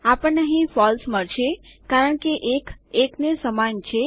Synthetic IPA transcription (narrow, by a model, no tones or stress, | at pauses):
apəɳnəɦĩfɔlsməɾʃʰekaɾəɳkeʔekeknesəmant͡ʃʰe